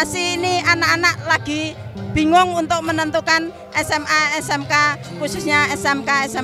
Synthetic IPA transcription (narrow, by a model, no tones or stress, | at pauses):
asiːnianakanaʔlaɡ̥i̤b̥i̤ŋʊŋunt̪ʊk̚mənənt̪ukan | ɛsɛmaɛsɛmkakususɲaɛsɛmkaɛsɛm